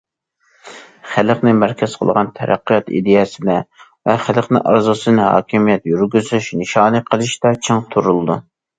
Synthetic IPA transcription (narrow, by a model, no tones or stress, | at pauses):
χælqnɨmæɾkʲɛz̥qʰə̰lˠʁɑnt̪ʰɛ̰ɾæ̰qːijɑt̪ḭd̪ijɛsɪlɛvɛχælqnɨʔɑ̰ɾzɨsɨnɨɦɑ̰ːkʲʰimijɛt̪jyɾɡʲyzyʃnɨʃɑːniqʰəlˠɨʃt̪ɑt͡ʃʰɪŋt̪ʰuɾulˠɨd̪u